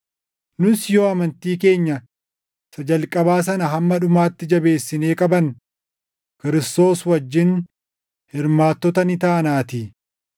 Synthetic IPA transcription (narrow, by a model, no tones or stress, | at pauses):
nʊsjo̞ːɐmɐnt̪iːke̞ːɲːɐ | sɐd͡ʒɐlkʼɐbaːs̬ɐnɐɦɐmːɐɗʊmaːt̪ːɪd͡ʒɐbe̞ːsːɪne̞ːkʼɐbɐn | kɪɾɪst̪o̞ːswɐd͡ʒːɪn | hɪɾmaːt̪ːɔt̪ɐnɪt̪aːnaːt̪ɪ